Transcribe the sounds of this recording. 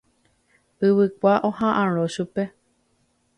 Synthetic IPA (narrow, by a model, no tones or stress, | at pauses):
ɨwɨkʷaʔõhãʔãɾõʃupe